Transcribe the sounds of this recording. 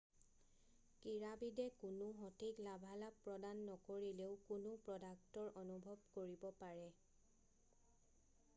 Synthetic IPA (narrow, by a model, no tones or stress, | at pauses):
kiɹabidɛkʊnʊɦɔtʰiklabʱalapɹɔdanːɔkoɹileʊkʊnʊpɹɔdak̚tɔɹʔɔnubʱɔbkoɹibɔpaɹɛ